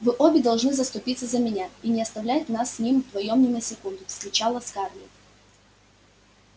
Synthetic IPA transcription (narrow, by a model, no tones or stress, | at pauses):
vɨʔobʲɪd̪ɐlˠʐnɨzəst̪ʊpʲit̪sːəzəmʲɪnʲainʲɪɐst̪ɐvlʲæjt̪ʲnasːʲnʲimvd̪vɐjomnʲɪməsʲɪkund̪ʊfsk̪ɾʲɪt͡ɕalˠəskarlʲɪ̰t̪